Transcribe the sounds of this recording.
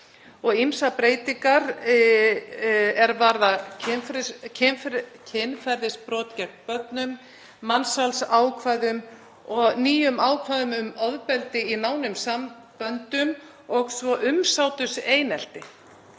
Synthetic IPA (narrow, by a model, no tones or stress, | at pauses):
ɔɣimsapɾeːjt̪iŋkaɾ | ɛɾvaɾðaɪfɾcʰɪnfcʰɪnfɛɾðɪspɾɔːt̪cɛɾt̪pœt̪nʏmː | ansalsaːwkʰvaːðʏm | ɔɣniːjʏmaːwkʰvaːðʏmʏmɔðpɛlt̪ɪinaːwnʏmsam | pœnt̪ʏm | ɔɣsvɔʔʏmsawt̪ʏseːjnɛl̥t̪ɪ